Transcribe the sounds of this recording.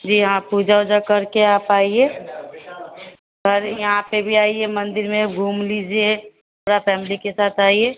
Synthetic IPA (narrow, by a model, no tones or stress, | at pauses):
d͡ʒiːjɦãpud͡ʒaod͡ʒakɐɾkeaːpaːie | pʰəɾjɐɦãpebʱiaːiemɐ̃nd̪ɪɾmẽɡʱuːmliːd͡ʒie | oɾapʰɛːmɪlikesaːt̪ʰaːie